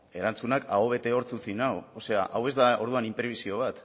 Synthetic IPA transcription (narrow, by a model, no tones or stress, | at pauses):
e̞ɾant͡sunakaoβe̞t̪e̞o̞ɾt͡sut͡sinawose̞aʔawe̞zd̪ao̞ɾðuanimpɾeβisio̞β̞at̪